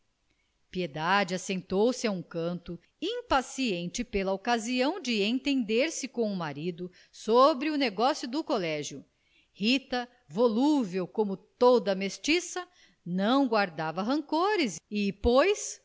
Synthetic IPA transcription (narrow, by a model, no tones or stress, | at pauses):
pied̪ad͡ʒɪasẽnt̪owsɪaũkɐ̃nt̪ʊ | ĩpasiẽnt͡ʃɪpelɐokaziɐ̃w̃d͡ʒɪẽt̪ẽnd̪eɾsɪkõw̃ʊmaɾid̪ʊ | sobɾɪʊneɡɔsjʊd̪ʊkolɛʒjʊ | hit̪ɐ | voluvewkõmʊt̪od̪ɐmest͡ʃisɐ | nɐ̃w̃ɡwaɾd̪avɐɦɐ̃ŋkoɾɪzipojs